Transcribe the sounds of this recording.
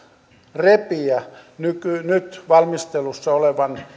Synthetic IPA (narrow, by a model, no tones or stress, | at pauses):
repiænykynyt̪ʋɑlmist̪elusːɑoleʋɑn